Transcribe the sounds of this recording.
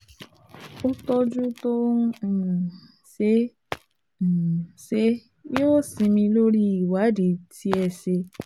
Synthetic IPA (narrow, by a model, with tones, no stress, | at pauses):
ʊ˦tɔ˦d͡ʒu˦to˦˨ | se˦˨ | se˦ | jo˦sĩ˨mĩ˧lo˦ɾi˦˨wa˨˦di˨tʰi˦ɛ˨se˧